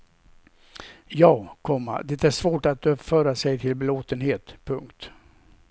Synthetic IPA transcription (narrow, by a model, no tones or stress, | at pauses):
jɑːkʰɔmːa̰d̪ɛːt̪æʂvoːʈat̪ːfœːɾasɛjt̪ʰɪlbɛloːt̪ənheːt̪pʰɵŋkt̪